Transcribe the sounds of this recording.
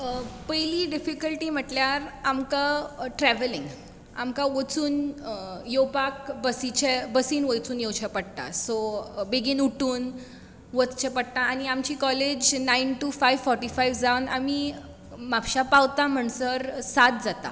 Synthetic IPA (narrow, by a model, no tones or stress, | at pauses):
pəjliɖifikəlʈim̤əʈljaɾamkaʈɾɛʋəliŋɡ | a̰mkãʋot͡suːn | jopak̚bəsit͡ɕʰebəsiːnʋəjt͡suːnjewt͡ɕʰepəɽt̪a̰sobeɡiːnuʈuːn | ʋət͡st͡ɕʰepəɽt̪ãːñiamt͡ɕiːkɔled͡ʑnainʈufajʋfɔɾʈifajʋd͡zaʋnami | mapɕapawt̪ãm̤əɳsəɾsat̪̚d͡zat̪a̰